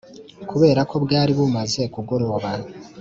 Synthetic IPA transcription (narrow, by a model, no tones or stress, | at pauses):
kuβe̞ːɾako̞bɡaːɾiβumaze̞kuɡo̞ɾo̞βan